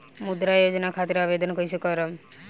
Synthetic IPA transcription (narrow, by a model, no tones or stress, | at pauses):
mud̪ɾajod͡ʒnakʰat̪iɾabed̪ʱɔnkəisʰekɔɾəm